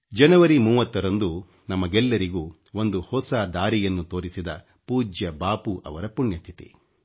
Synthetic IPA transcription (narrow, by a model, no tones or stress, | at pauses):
d͡ʒɐnɐʋɐɾimuːʋɐt̪ːɐɾɐnd̪u | nɐmɐɡɛlːɐɾiɡuː | o̞nd̪uhɔsad̪aːɾijɐnːut̪o̞ːɾisid̪ɐ | puːd͡ʒjɐbaːpuʔɐ̰ʋɐɾɐpuɳjɐt̪ʰit̪ḭ